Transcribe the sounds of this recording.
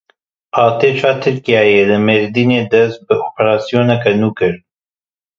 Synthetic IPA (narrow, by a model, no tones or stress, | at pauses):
ʔɑːt̪eːt͡ʃʰaːt̪ʰɨɾkijaːjeːlɨmeɾd̪iːneːd̪ɛst̪̚bɨʔoːpʰɛɾaːsijoːnɛkɛnuːkɨɾ